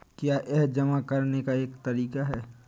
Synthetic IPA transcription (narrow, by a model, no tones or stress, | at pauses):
kjaːʔɛɦd͡ʒɐmakɐɾnekaeːkt̪ɐɾiːkaɦɛː